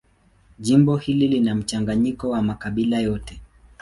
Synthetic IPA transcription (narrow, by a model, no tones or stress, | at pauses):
ʄimbɔhililinam̩t͡ʃaŋɡaɲikɔwamakaɓilajɔtɛ